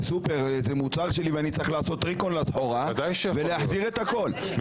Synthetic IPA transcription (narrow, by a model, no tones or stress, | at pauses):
supeʁezemut͡saʁʃe̞liveanit͡saʁiχlaːso̞t̪ːʁikonlazħoʁad̪ajʃveleaħziʁet̪ako̞l